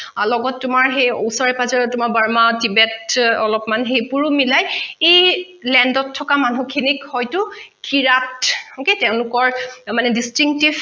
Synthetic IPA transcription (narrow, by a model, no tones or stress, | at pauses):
lɔɡɔtːʊmaɹɦejo̰wsɔɹɛpazɔɹɔtʊmabaɹmatibɛtɔlɔpmanɦejpuɹʊmilajej | lɛndɔtʰːɔkamanukʰinikhɔjtʊkʰiɹatoketɛʊ̃lʊkɔɹmanɛdistɹiŋk̚tib